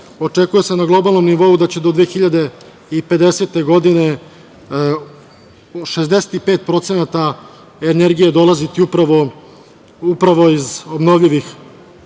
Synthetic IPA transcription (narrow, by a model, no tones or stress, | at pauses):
o̞t͡ʂe̞kuje̞senaɡlˠo̞balˠno̞mniʋo̞ud̪at͡ɕe̞d̪o̞d̪ʋexiʎad̪e̞ | ipe̞d̪e̞se̞ːt̪e̞ɡo̞d̪ine̞ | ʃe̞zd̪ese̥t̪ipe̞ːt̪̚pɾo̞t̪se̞nat̪a | ene̞ɾɡije̞d̪o̞lazit̪iupɾaʋo | upɾaʋo̞izo̞bno̞ʋʎiʋix